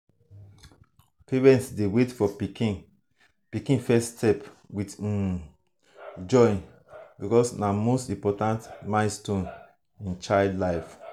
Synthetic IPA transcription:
pʰeɹɛ̃ntsdewetfɔpikĩn | pikĩnfɛstʰɛp | wit | d͡ʒɔ̃ɪ̃n | bikɔsnamostĩmpɔtãntmãɪ̃nstõn | ĩnt͡ʃaɪldlaɪf

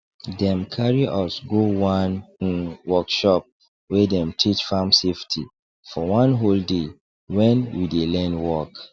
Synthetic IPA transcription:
dɛ̃mkʰaɹiʔɔsɡowãn̩ | wɔkʃɔp̚ | wɛdɛ̃mtʰit͡ʃfãmseftʰḭ | fɔwãnɦolde | wɛ̃nwidelɛ̃nwɔk

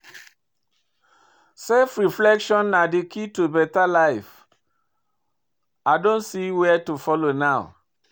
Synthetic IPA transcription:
sɛfɹiflɛkʃɔ̃nːadikʰitubɛtalaɪf | aɪdõnsiwɛtufɔlonaʊ

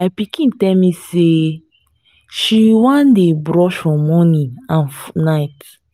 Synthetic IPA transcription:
apikĩntɛlmise | ʃiwãndebɹɔʃfɔ̃mɔnĩãnfnaɪt

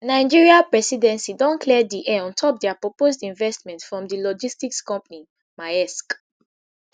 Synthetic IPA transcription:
naɪd͡ʒiɹiapɹɛsidɛ̃nsidɔ̃nkʰlɛdiʔɛɔ̃ntʰɔp̚dɛapɹɔpozdĩnvɛstmɛ̃ntfɹɔ̃mdilɔd͡ʒistikskɔ̃mpani | majɛsk

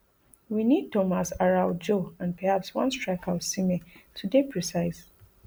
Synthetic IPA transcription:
winid̚tɔmasaɹaʊd͡ʒoãnpɛhapswʌ̰̃nstɹakʰaʊsimetʰudepʰɹɛsaɪs

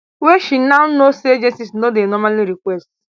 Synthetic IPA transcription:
weʃinanosied͡ʒensisnodenɔmaliɾikʷest

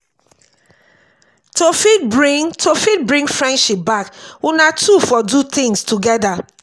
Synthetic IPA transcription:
tofibɹitʰofit̚bɹĩŋfɹɛ̃ndʃip̚bakunatʰufɔdut̪ĩŋstʰuɡɛda

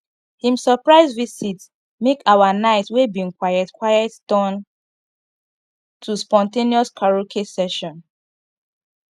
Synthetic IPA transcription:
hĩmsəpɹaɪzvisit | mekawanaɪtwebĩŋkwajɛtkwajɛttɔ̃n | tʰuspɔ̃nteniɔskʰaɹokʰesɛʃɔ̃n

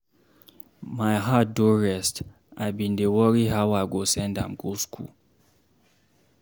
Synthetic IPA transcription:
majɦat̚doɹɛst | abĩndewɔɾiɦawaɡosɛ̃ndã̰mɡoskʰṵ

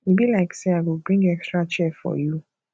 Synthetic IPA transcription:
ibilaɪksiaɡobɹĩŋɡɛkstɹat͡ʃɛfɔ̰ju

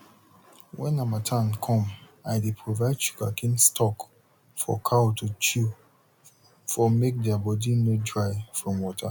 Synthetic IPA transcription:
wɛ̰̃namatʰãnkʰɔ̃m | aɪdepʰɹovaɪdʃu̥ɡakʰĩnstʰɔk | fɔ̰kʰaotʰut͡ʃu | fɔmek̚dɛabɔdinodɹaɪfɹɔ̃mwɔtʰa

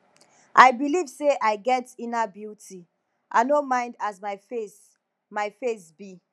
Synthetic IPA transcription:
ʔaɪbilivseʔaɪɡɛtĩnabjutʰi | ʔa̰ɪnomãɪ̃ndazmaɪfes | maɪfesbi

